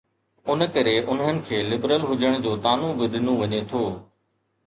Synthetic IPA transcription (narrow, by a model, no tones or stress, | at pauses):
ʊnəkɐɾeʔʊnɦənɪ̆kʰeːlɪbɾəlɦʊd͡ʑəɽ̃d͡ʑoːt̪aːnũʋɪɗ̪ʱɪnõʋɐɲet̪ʰoː